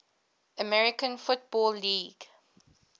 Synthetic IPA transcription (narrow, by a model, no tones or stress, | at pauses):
əmɛɹɪkə̃nfʊt̚b̥ɔːlːiːɡ̥